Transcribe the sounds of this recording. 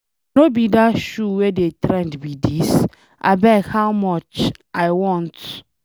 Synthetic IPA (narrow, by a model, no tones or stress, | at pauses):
nobidaʃuwedetɹɛ̃ndbidis | ʔa̰bɛkhawmɔt͡ʃʔaɪwɔ̃nt